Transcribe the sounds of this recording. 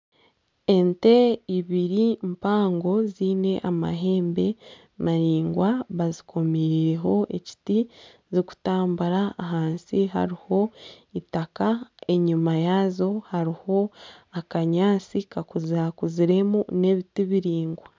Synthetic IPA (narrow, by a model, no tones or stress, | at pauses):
e̞nte̞iβiɾimpaːŋɡo̞ziːne̞ʔama̰ɦe̞ːmbe̞ | maɾiːŋɡwaβazikʰo̞miɾiɾeɦo̞ʔe̞ci̥ti | ziku̥taːmbuɾaːɦaːnsiɦa̰ɾiho̞ | itakae̞ɲumajazo̞haɾiho̞akaɲaːt͡sikakuzakuziɾe̞mune̞ːβitiβiɾiːŋɡwa